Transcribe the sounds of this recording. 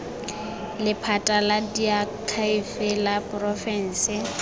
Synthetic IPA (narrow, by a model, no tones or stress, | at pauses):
lɪpʰatʼaladiakʰaifɪlapʼrɔfɛn̩ːsɪ